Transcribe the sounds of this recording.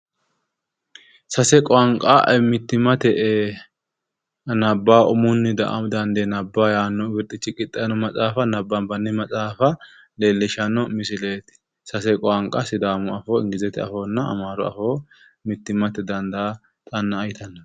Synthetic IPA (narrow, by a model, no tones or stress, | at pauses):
sɐsɛkʼɔɐŋkʼːaɛmɪt̪ːɪmɐt̪ɛʔ | nɐbːaːʊmʊnːɪd̪ɐʔd̪ɐnd̪enɐbːaːjaːnːɔwɪɾt̪ʼːɪt͡ʃːɪkʼɪt̪ʼːɐnɔmɐt͡sʼaːfɐnɐbːɐnbɐnːɪmɐt͡sʼaːfɐ | leːlːɪʃɐnːɔmɪsɪleːt̪ɪ̥ | sɐsɛkʼɔɐŋkʼɐsɪd̪aːmɔɐfoːɪ̰ŋɡɪzɛt̪ɛɐ̰foːnːɐɐ̰maːɾɔɐ̰foː | mɪt̪ːɪmɐt̪ɛd̪ɐnd̪ɐː | t̪ʼɐnːɐːjɪt̪ɐnːɐ